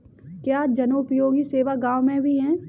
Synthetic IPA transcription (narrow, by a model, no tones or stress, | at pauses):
kjaːd͡ʒɐnoːpjoːɡiseːʋaɡãːwmẽbʱiɦɛ̃ː